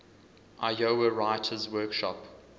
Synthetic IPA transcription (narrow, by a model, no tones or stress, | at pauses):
ʔajoəɹaɪtʰəzwɜːˑkʃɔ̰p